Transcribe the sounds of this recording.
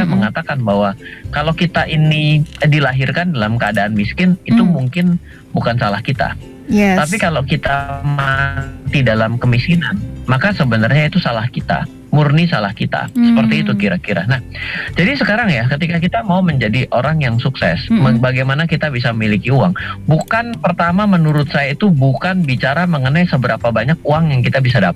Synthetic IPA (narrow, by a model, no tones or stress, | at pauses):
aməŋat̪akanbaɦwakalokit̪aʔinidilaɦirkandalamkəadaːnmiskɪnit̪umuŋkɪn | bukansalahkit̪a̰ | t̪ap̬ikalowkit̪amat̪idalamkəmiskinanmakasəbənərɲait̪usalahkit̪a̰ | murnisalahkit̪a̰səpərt̪iːt̪ukiɾakiɾa̰nahd͡ʒadisəkaɾaŋjakət̪ikakit̪amauməɲd͡ʒadiʔoɾaŋjaŋsuksɛ̰smbaɡajmanakit̪abisaməmilikiuaŋbukanpərt̪amamənuɾʊt̪̚sajait̪ubukanbit͡ʃaɾaməŋənajsəbəɾapabaɲak̚uaŋjaŋkit̪abis̬adap